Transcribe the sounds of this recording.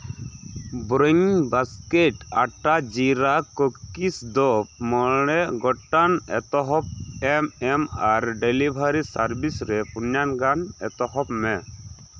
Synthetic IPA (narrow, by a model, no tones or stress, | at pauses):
bɾəɲbaskeʈa̰ʈad͡ʒiɾakɔkisd̪ɔp̚mɔɽ̃ɛʔɡɔʈanɛ̰t̪ɔɦɔp̚ɛmɛmaɾɖelibʱaɾisaɾbisɾɛpunjanɡanɛ̰t̪ɔɦɔpmɛ